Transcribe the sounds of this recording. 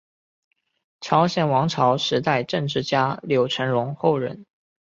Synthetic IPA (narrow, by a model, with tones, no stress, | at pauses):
ʈ͡ʂʰɑ˧˥ʊɕjɛ˨˩nwɑ˧˥ŋʈ͡ʂʰɑ˧˥ʊʂɻ̩˧˥t̪a˥˧ɪʈ͡ʂɤ˥˧ŋʈ͡ʂɻ̩˥˩t͡ɕja˥ljo˧˥ʊʈ͡ʂʰə˧˥nɻʊ˧˥ŋxo˥˩ʊɻə̰˧˥n